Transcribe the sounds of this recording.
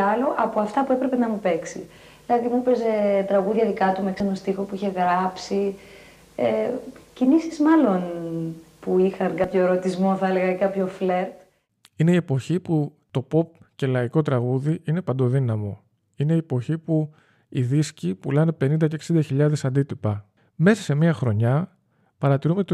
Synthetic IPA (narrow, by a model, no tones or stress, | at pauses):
ɐlo̞ʔɐpoɐft̪ɐpue̞pɾe̞pe̞nɐmupe̞ksi | lɐðimupe̞ze̞t̪ɾɐɣuðʝɐðikɐt̪umeksenɐst̪ixo̞puiçe̞ɣɾɐpsi | ecinisizmɐlo̞n | puixɐŋkɐpço̞eɾo̞t̪izmo̞θɐele̞ɣɐkɐpço̞fle̞ɾt̪ | ine̞ie̞po̞çipu | t̪o̞po̞p̚ce̞lɐiko̞t̪ɾɐɣuðiine̞pɐnd̪o̞ðinɐmo̞ | ine̞iepo̞çipu | iðiscipulɐne̞pe̞nind̪ɐceksind̪ɐçiʎɐðe̞sɐnd̪it̪ipɐ | me̞sɐse̞miɐxɾo̞ɲɐ | pɐɾɐt̪iɾume̞t̪